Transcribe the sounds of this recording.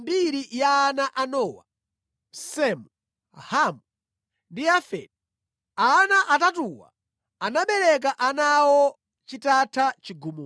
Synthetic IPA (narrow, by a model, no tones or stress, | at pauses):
mbiɾijaːnaʔanɔwa̰ | sɛmu | hamu | ndiafɛ̰d | anaʔatatuwa̰ | anaɓɛɾɛk̬aʔanawɔ | t͡ʃitatʰat͡ʃiɡumu